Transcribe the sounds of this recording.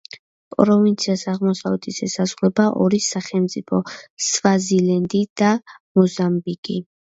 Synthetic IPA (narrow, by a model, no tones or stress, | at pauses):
pʼɾɔvint̪sʰiasaʁmɔsavɛt̪ʰisɛsazʁlɛbaʔɔɾisaχɛlmt̪sʼipʰɔsvazilɛnd̪id̪amɔzambikʼi